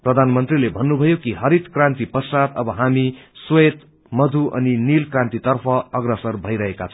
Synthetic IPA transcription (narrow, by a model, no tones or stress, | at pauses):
prʌd̪ʱanmʌnt̪rilebʱʌnːubʱʌjokiɦʌɾit̪krant̪ipʌsat̪ʌbʌɦamiswet̪ | mʌd̪ʱuʔʌ̰ninilkrãnt̪it̪ʌrpʰʌʌɡrʌsʌrbʱʌjɾʌɦekat͡sʰ